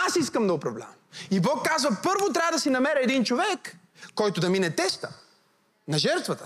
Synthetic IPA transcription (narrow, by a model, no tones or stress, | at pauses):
asiskəmd̪ɐoʊpɾɐvlʲa̰vmibɔkːazvɐpɤɾvot̪ɾʲavəd̪ɐsinɐmɛɾɛɛd̪int͡ʃovɛkː | ɔjt̪ʊd̪ɐminɛt̪ɛst̪ə̥ | nɐʒɛɾt̪vɐt̪ə̥